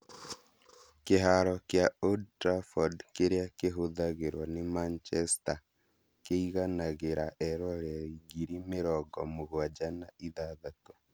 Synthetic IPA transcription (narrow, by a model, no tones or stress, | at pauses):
keɦaɾɔkjaodtɾafɔdkeɾeakeɦoðaɣeɾwanemant͡ʃɛsta | keiɣanaɣeɾaʔɛɾwaɾaiɣiɾimeɾɔɡɔmoɣwad͡ʒanaiðaðato